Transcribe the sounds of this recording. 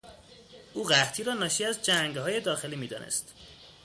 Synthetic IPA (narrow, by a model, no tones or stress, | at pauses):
ʔuːɢæɣt̪ʰiːɾɒːnɒːʃiːæzd͡ʒæŋɡhɒːje̞d̪ɒːxe̞liːmiːd̪ɒ̰ːnʔḛst̪